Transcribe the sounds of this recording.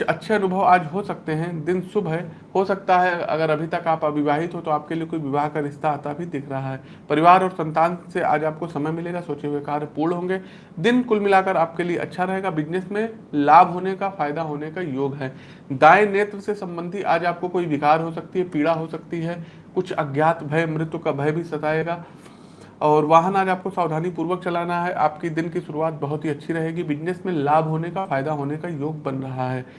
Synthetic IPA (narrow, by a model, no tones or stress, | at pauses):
ɐtːʃʰeɐnʊbʱəʋaːd͡ʒɦosɐk̚t̪eɦɛ̃d̪ɪnsʊbʱɦɛ | hosɐk̚t̪aɦɛɐ̰ɡəɾɐbʱit̪ɐkaːpɐbʱɪʋaːɦɪt̪ɦot̪oaːp̚keliekoːiʋɪʋaːɦkaɾɪst̪ʰaːt̪abʱid̪ɪkʰɾɐɦaɦɛː | pɐɾɪʋaːɾɔːɾsɐ̃nt̪aːnseʔa̰ːd͡ʒaːp̚kosɐməjmɪleːɡasoːt͡ʃeɦuekaːɾɦpuːɾɭɦõːŋɡe | d̪ɪnkʊlmɪlaːkəɾaːp̚kelieʔɐ̰tːʃʰaɾɐɦeːɡabɪd͡ʒnesmẽ | laːbʱɦoːnekafaːjd̪aɦoːnekajoːɡɦɛː | d̪aːeneːt̪ɾəsesɐ̃mbə̃nd̪ʱiʔaːd͡ʒaːp̚kokoːiʋɪkaːɾɦosɐk̚t̪iɦɛpiːɽaɦosɐkt̪iɦɛ | kʊt͡ʃʰɐ̰ɡjaːt̪bʱɐemɾɪt̪wəkabʱɐjbʱisɐt̪aːeːɡaː | ɔːɾʋaːɦənaːd͡ʒaːp̚kosaːʋd̪ʱaːnipuːɾʋək̚t͡ʃɐlaːnaɦɛʔa̰ːpkid̪ɪnkisʊɾuaːt̪̚bɐɦʊt̪ɦiɐtːʃʰiɾɐɦeːɡibɪd͡ʒnesmẽlaːbʱɦoːnekafaːjd̪aɦoːnekajoːɡ̚bɐnɾɐɦaɦɛː